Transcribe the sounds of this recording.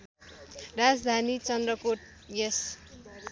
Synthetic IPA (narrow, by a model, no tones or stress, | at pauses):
rad͡zd̪ʱanit͡sʌnd̪rʌkoʈ | jes